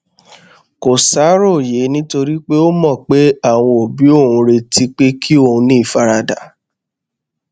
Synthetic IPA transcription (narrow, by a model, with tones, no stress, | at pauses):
ko˨sa˨˦ɾo˦˨je˨˦nĩ˦to˧ɾi˦k͡pe˦o˦mɔ̃˦˨k͡pe˦a˦˨w̃ɔ̃˧o˨bi˨˦o˦˨ũ˧ɾe˧ti˦k͡pe˦kʰi˦o˦˧˨ũ˧nĩ˦i˦˨fa˧ɾa˧da˨˦